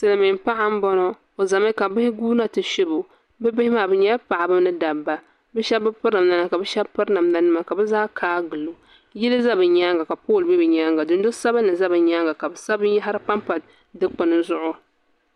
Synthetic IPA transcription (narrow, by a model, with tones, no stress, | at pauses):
sɨ˨lɨ˨mi˨m˦pa˦ʔa˦m̩˦bɔ˦nɔ˦ | o˨za˨mɪ˦ka˨bɪ˦hɪ˦ɡuː˦na˦tɨ˨ʃɪ˦bo˨ | bɛ˦bɪ˦hɪ˦maː˨bɨ˨˦ɲɛ˦pa˨ʔa˨bɨ˦mnɨ˦da˨bːa˨ | bɛ˦ʃɛ˦bbɨ˦pɨ˦na˨mna˦na˨˦ka˨bɛ˦ʃɛ˦bpɨ˦ɾna˨mna˦nɨ˦ma˨ka˨bɛ˦zaː˦kʰaː˦ɡɨ˨lo˨ | jɪ˦lɨ˦za˦bɨ˨ɲaː˦ŋɡa˨ka˨poː˦˨lbɛ˦bɨ˨ɲa˦ŋɡa˨dɨ˨n˦do˦sa˦ba˦nɨ˨za˦bɨ˨ɲaː˦ŋɡa˨ka˨bɨ˨sa˦bɨ˦n˦ja˦ɦa˦ɾɨ˦k͡pa˦mpa˨ | dɨ˦k͡pʊ˨nɨ˨zʊ˦ʔʊ˦